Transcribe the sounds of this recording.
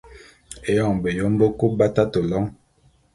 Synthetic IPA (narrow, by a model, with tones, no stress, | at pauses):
e˨jɔ˦˨ŋbe˨jo˨˦m˦bo˦ku˦ba˦ta˦to˨lɔ˦ŋ